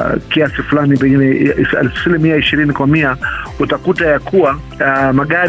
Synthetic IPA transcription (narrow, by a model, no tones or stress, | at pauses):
kiasiflanipɛŋɡinɛsa̰lfsilimiaiʃiɾinikwamiautakutajakʰuwa | maɠaɾ